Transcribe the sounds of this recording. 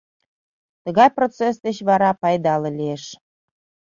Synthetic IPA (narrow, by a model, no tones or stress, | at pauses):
t̪əɣɑjprot͡sesd̪ət͡ɕβɑɾɑpɑjd̪ɑlɤ̆lʲieʃ